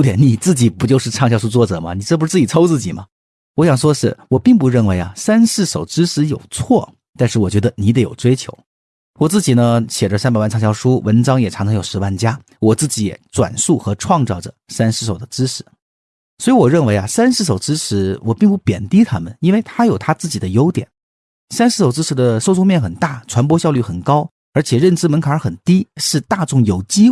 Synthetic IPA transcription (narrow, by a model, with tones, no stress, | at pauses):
t̪jɛ˧˥nni˨˩t͡sɹ̩˥˩t͡ɕi˨˩pu˧˥t͡ɕjo˥˧ʊʂɻ̩˥˧ʈ͡ʂʰɑ˥˧ŋɕjɑ˥˧ʂ̬u˥t͡swɔ˥˩ʈ͡ʂɤ˨˩mɐ˦ni˨˩ʈ͡ʂɤ˥˩pu˧˥ɻ̩˥˧t͡sɹ̩˥˩t͡ɕi˨˩t͡sʰɑ˥ʊt͡sɹ̩˥˩t͡ɕi˨˩mɐ˦ | wɔ˧˥ɕjɑ˨˩ŋʂwɔ˥ʂɻ̩˥˩wɔ˨˩pi˥˩ŋp̬u˧˥ɻə˥˩nwe˧˥ɪa˧sa˥nʂɻ̩˥˩ʂo˨˩ʊʈ͡ʂɻ̩˥ʂɻ̩˧˥jo˨˩ʊt͡sʰwɔ˥˩ | t̪a˥˧nʂɻ̩˥˩wɔ˨˩t͡ɕɥɛ˧˥d̪ə˧ni˧˥d̪e˨˧˥jo˨˩ʊʈ͡ʂwe˥ɪt͡ɕʰjo˧˥ʊ | wɔ˨˩t͡sɹ̩˥˩t͡ɕi˨˩nə˦ɕjɛ˨˩ʈ͡ʂə˦sa˥npa˨˩ɪwa˥˧nʈ͡ʂʰɕjɑ˥˩ʊʂu˥wə˧˥nʈ͡ʂɑ˥ŋjɛ˨˩ʈ͡ʂʰɑ˧˥ŋʈ͡ʂʰɤ˧˥jʊʂɻ̩˧˥wa˥˩nt͡ɕja˥ | wɔ˨˩t͡sɹ̩˥˩t͡ɕi˧˥jɛ̰˨˧˩ʈ͡ʂwa̰˨˩nsu˥˩xɤ˧˥ʈ͡ʂʰwɑ˥˧ŋt͡sɑ˥˩ʊʈ͡ʂə˩sa˥nʂɻ̩˥˩ʂ̬o˨˩ʊd̪ə˦ʈ͡ʂɻ̩˥ʂʰɻ̩˧˥˦ | swɔ˧˥i˧˥wɔ˨˩ɻə˥˩nwe˧˥ɪa˧sa˥nʂɻ̩˥˩ʂ̬o˨˩ʊʈ͡ʂɻ̩˥ʂɻ̩˧˥wʔɔ˨˩pi˥˧ŋp̬u˥˩pjɛ̰˨˩nt̪i˥t̪ʰa˥mə̰˨ni˥nwe˥˩ɪt̪ʰa˥jo˨˩ʊt̪ʰa˥t͡sɹ̩˥˩t͡ɕi˨˩d̪ə˦jo˧˥ʊt̪jɛ̰˨˩˦n | sa˥nʂ̩˥˩ʂo˨˩ʊʈ͡ʂɻ̩˥ʂʰɻ̩˧˥d̪ə˧so˥˧ʊt͡sʰʊ˥˧ŋmjɛ˥˩nxə˨˩nt̪a˥˩ʈ͡ʂʰwa˧˥np̬wɔ˥ɕjɑ˥˧ʊly˥˩xə˨˩nkɑ˥ʊ | ə˞˧˥t͡ɕʰjɛ˨˩ɻə˥˩nʈ͡ʂɻ̩˥mə˧˥nkʰa˨˧ə˞˧˥xə˨˩nt̪i˥ʂɻ̩˥˧t̪a˥˧ʈ͡ʂʊ˥˩ŋjo˨˩ʊt͡ɕi˥